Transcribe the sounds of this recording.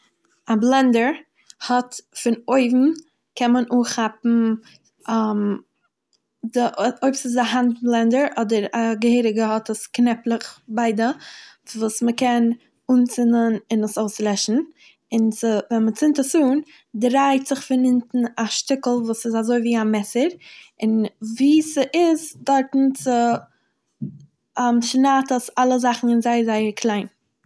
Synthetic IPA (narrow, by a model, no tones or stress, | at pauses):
ablˠɛndəɾ | hɔtfɪnoɪvm̩ | kɛnmənʔuːχapm̩ | am | dɪʔoɪbsɪsdɪaɦant̚blˠɛndəɾʔɔdəɾaɡəheɪɾɪɡəhɔtəsknɛplˠəχbaɪdə | vuːsməkɛn | uːnt͡sɪnənɪnəsoʊslˠɛʃn̩ | ɪnt͡sɪvɛnmət͡sɪntəsuːn | dɾaɪtz̥ɪχfɪnɪntn̩aʃtɪkl̩ˠvuːsɪzazoɪviːamɛsəɾɪnviːsəʔɪzdɔɾtn̩t͡sɪ | amʃnaːtəsalˠəzaχn̩ɪnzaɪəɾzaɪəɾkʰlˠaɪn